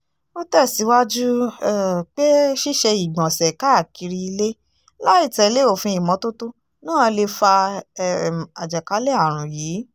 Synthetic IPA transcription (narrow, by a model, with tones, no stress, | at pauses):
o˦tɛ˦˨si˨˦wa˦d͡ʒu˦ | k͡pe˦ʃi˦ʃɛ˧i˨ɡ͡bɔ̃˨sɛ˨ka˨˦a˦˨ki˧ɾi˧i˧le˦ | la˦i˦˨tɛ˨˦le˦o˦˨fĩ˧i˨mɔ̃˨˦to˦to˦ | nãː˦ã˧le˧fa˧˨ | a˨d͡ʒɛ˨ka˨˦lɛ˦a˦˨ɾ̃ũ˨jiː˨˦